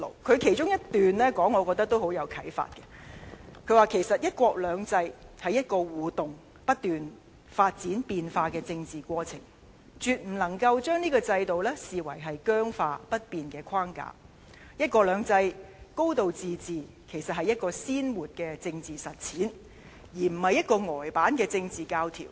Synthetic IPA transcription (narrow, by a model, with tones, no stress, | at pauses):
lo˨˩kʰɵ˨˧ɥkʰe˨˩jt͡ʃʊ˥ŋjɐ˥tt̪yː˨nlɛ˥kɔː˨˥ŋːɔː˨˧kɔː˧t̪ɐ˥k̚t̪o˥who˨˥wjɐ˨˧wkʰɐ˨˥jfa̰ː˧t̚kɛ̥˧ | kʰɵ˨˧ɥwaː˨kʰe˨˩jsɐ˨t̚jɐ˥t̚kʷɔː˧k̚lœː˨˧ŋt͡sɐ˧jhɐ˨jɐ˥t̚kɔː˧wuː˨t̪ʊ˨ŋ | pɐ˥t̚t̪yː˨n | faː˧t̚t͡siː˨˥npiː˧nfaː˧kɛː˧t͡sɪ˧ŋt͡siː˨kʷɔː˧t͡sʰɪ̰˨˩ŋ | t͡ʃyː˨t̚m̩˨˩lɐ˨˩ŋkɐ˧wt͡ʃœː˥ŋniː˥kɔː˧t͡sɐ˧jt̪o˨wlɛː˥siː˨wɐ˨˩jɦɐ˨jkœː˥ŋfaː˧pɐ˥t̚piː˨nkɛː˧kʰaː˥ŋka̰ː˧ | jɐ˥t̚kɔː˧lœː˨˧ŋt͡sɐ˧jko˥wt̪o˨wt͡siː˨˧t͡siː˨ | kʰe˨˩jsɐ˨t̚hɐ˨jːɐ˥t̚kɔː˧siː˥nwuː˨t̚kɛː˧t͡sɪ˧ŋt͡siː˨sɐ˨˩t̚t͡sʰiː˨˥n | jiː˨˩m̩˨˩hɐ˨jɐ˥t̚kɔː˧ŋɔː˨˩jpaː˨˥nkɛː˧t͡sɪ˧ŋt͡siː˨kaː˧wt̪ʰḭ˨˩w